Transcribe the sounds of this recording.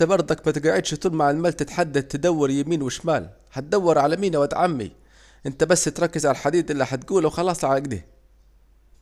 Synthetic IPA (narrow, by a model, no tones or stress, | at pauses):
abɑɾˤd̪ˤɑkmæt̪ɪɡaʕɪd̪ʃt̪ˤuːlmaʕɪlmaːlt̪ɪt̪ħad̪ːad̪̚t̪ːad̪awːɑɾjamiːnwɪʃmaːl | hat̪̚d̪awːɑɾʕalamiːnawat̪ʕamːḭ | ʔɪnt̪æbasːɪt̪ɾˤɑkːɪzʕalaħad̪iːd̪ʔɪlːiħat̪̚ɡuːlawxɑlɑːsˤlʕaaɡd̪ḭː